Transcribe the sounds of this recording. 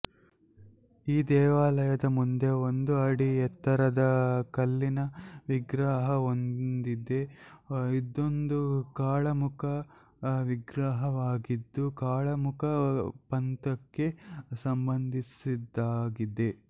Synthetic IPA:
iːd̪ɛːʋaːlɐjɐd̪ɐmund̪e̞ond̪uɐɽiɛt̪ːɐɾɐd̪ɐkɐlːinɐʋiɡɾaːɦɐo̞nd̪id̪e̞ | id̪o̞nd̪ukaːɭɐmukʰɐ | ʋiɡɾaɦɐʋaːɡid̪ːukaːɭɐmukʰɐpɐnt̪ɐkːe̞sɐmbɐnd̪ʱisid̪ːaːɡid̪e̞

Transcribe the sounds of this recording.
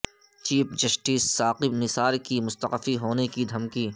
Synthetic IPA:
t͡ʃiːpd͡ʒɐsʈiːsːaːqɪbnɪsaːɾkimʊst̪əqfiɦoːnekid̪ʱɐmkiː

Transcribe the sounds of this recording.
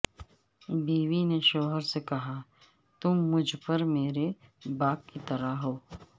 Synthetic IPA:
biːʋineʃɔːɦəɾsekɐɦa | t̪ʊmːʊd͡ʒʱpɐɾmeːɾebaːkkit̪ɐɾaɦoː

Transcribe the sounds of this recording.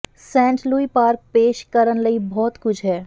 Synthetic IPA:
sɛ̃ːɳʈluːipaːɾk̚peːʃkɐɾənlɐibɔːt̪kʊt͡ʃʰɦɛː

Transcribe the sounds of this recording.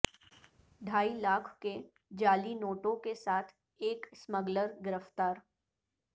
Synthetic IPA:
ɖʱaːilaːkʰke | d͡ʒaːlinoːʈõkesaːt̪ʰ | eːksməɡləɾɡɪɾəft̪aːɾ

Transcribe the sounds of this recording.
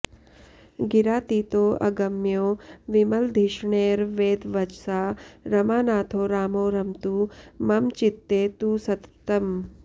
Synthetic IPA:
ɡiɾaːt̪iːt̪oːʔɐ̰ɡɐmjoːʋimɐld̪ʱiʃɳeːɾʋeːd̪ʋɐt͡ʃsaːɾɐmaːnaːt̪ʰoːɾaːmoːɾɐmt̪umɐmt͡ʃit̪ːeːt̪usɐt̪t̪ɐm

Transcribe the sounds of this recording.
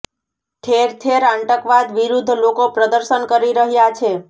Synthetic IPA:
ʈʰeɾt̪ʰeɾaɳʈəkʋad̪ʋiɾud̪ʱːlokopɾəd̪əɾʃənkəɾiɾəɦjat͡ʃʰe

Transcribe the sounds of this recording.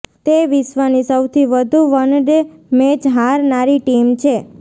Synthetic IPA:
t̪eʋisʋənisəwt̪ʰiʋəd̪ʱuʋənɖemed͡ʒɦaɾnaɾiʈimt͡ʃʰe

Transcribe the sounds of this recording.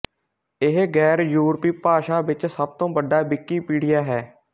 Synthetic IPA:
ɪɦɡɛːɾjuːɾpiːpaːʃaːʋɪt͡ʃsəb̚t̪õːbəɖaːbɪkːiːpiːɽɪjaːɦɛː

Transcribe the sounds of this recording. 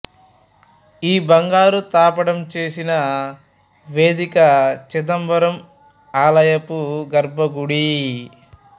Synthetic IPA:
iːbɐŋɡaːɾut̪aːpɐɽɐmt͡ʃe̞ːsinɐ | ʋeːd̪ikɐt͡ʃid̪ɐmbɐɾɐm | aːlɐjɐpuɡɐɾbʱɐɡuɽi

